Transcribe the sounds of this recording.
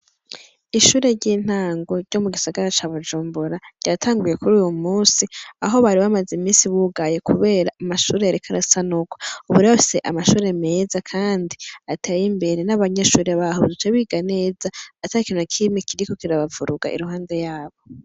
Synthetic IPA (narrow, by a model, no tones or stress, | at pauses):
iʃuːɾe̞ɾɟiːn̥aːŋɡoɾɟ̥o̞muɡisaɡaɾat͡ʃaːβud͡ʒuːmbuɾaɾɟatʰaːŋɡuje̞kuɾuːjumuːnsiaɦo̞βaɾiβamazimiːnsiβuɡajekuβe̞ːɾaːmaʃuːɾe̞jaɾikʰaɾasanuɡwauβuɾiβafi̥se̞ʔamaʃuːɾe̞me̞zakʰaːndiatʰajimbe̞ɾe̞naβaɲeʃuːɾeaβaɦoβudut͡ʃeβiɡane̞ːzaːtaikinokʰimekiɾiko̞kiɾaβavuɾuɡa̰ʔḭɾuɦaːnde̞jaːβo̞